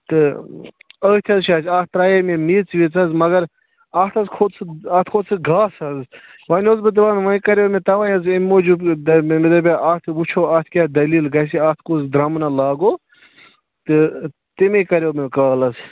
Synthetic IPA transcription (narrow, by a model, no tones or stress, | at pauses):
t̪ɨ | əːt̪ʰʲɐzʃʰaːsʰʲaːt̪ɾaːjɐmemiːt͡sʋit͡sɐzmɐɡɐɾ | ɐt̪ʰɐzkʰod̪t͡sʰɨɐt̪ʰkʰoːd̪t͡sʰɨɡʱaːsɐz | ʋɐːnʲozbɨd̪ɨʋaːnʋɐkɐɾoːmet̪ɐʋɐjɐzimːoːd͡ʒubd̪ɐmed̪ɐbʲaʔɐːt̪ʰʋut͡ʃʰoːɐːt̪ʰkʲaːd̪ɐliːlɡɐs̬iɐt̪ʰkozd̪ɾɐmnɐlaːɡoː | t̪ɨ | t̪imekɐɾoːmekaːlɐz